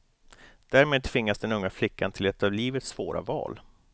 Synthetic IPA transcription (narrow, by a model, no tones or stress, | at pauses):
d̪̥æːɾmeːd̪̚t̪ʰvɪŋːasd̪ɛnɵŋːaflɪkːant̪ʰɪlɛt̪ːɑvliːvət̪svoːɾʔa̰vɑ̰ːl